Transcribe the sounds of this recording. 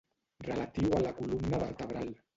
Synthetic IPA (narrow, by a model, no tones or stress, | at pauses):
rəlat̪iwalakulumnaβərt̪əβɾal